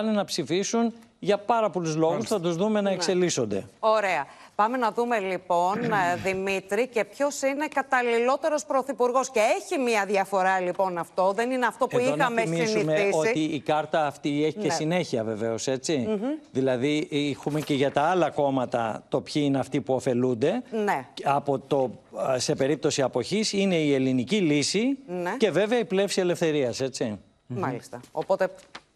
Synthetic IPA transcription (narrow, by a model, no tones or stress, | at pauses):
ɐnenɐpsifisunʝɐpɐɾɐpo̞luzlo̞ɣɣusθɐt̪uzðume̞nɐekse̞liso̞nd̪e̞̰o̞ɾe̞ɐ | pɐme̞nɐðume̞lipo̞nðimit̪ɾice̞pço̞sine̞kɐt̪ɐlilo̞t̪e̞ɾo̞spɾo̞θipuɾɣo̞sce̞eçimiɐðjɐfo̞ɾɐlipo̞nɐft̪o̞ðe̞nineɐft̪o̞puioɐmesmisnimeisot̪iːkɐɾt̪ɐːft̪ieçicesine̞çiɐve̞ve̞o̞se̞t͡siðilɐðiixume̞ce̞ʝɐt̪ɐɐlɐko̞mɐt̪ɐ̰t̪o̞pçiineɐft̪ipuo̞fe̞lund̪e̞neɐpo̞t̪o̞se̞pe̞ɾip̚t̪o̞siɐpo̞çisine̞ielinicilisinece̞ve̞veɐiple̞fsie̞le̞fθe̞ɾiɐse̞t͡si | mɐlist̪ɐopot̪e